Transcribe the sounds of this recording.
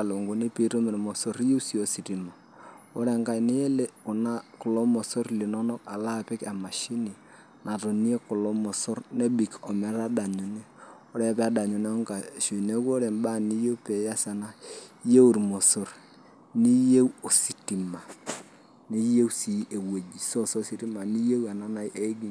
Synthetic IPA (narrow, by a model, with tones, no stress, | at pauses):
a˨lo˨ŋɡo˨ni˦pi˦to˦me˨mo˨so˦ɾi˦je˦wsi˨o˨si˨ti˨ma˨ | ɔ˦ɾɛ˨ŋka˨nɪ˦e˦le˦ʊ˨na˦kʊ˨lo˦mɔ˨so˦rli˨nɔ˦nɔ˦ka˨la˦pɪ˦ka˨ma˨ʃi˦ni˨ | na˨to˨ni˦e˦kʊ˨lɔ˦mɔ˨so˦rne˦bi˨kɔ˨mɛ˨˦ɾa˦da˨ɲo˨ne˦ɔ˦ɾɛ˦pɛ˦a˦da˨ɲo˨ne˦ŋka˨ʃo˨i˨ne˦ko˦ɾe˨nba˦˨ni˦je˦pe˨ja˦sa˨na˦je˦u˨ɾmo˨so˦r | ni˦je˦wo˨si˨ti˨ma˨ | ni˦je˦wsi˨˦e˨we˨d͡ʒi˨so˦so˦si˨˦ti˦ma˨ni˦je˦wa˨na˦na˦jʔe˦ɡi˦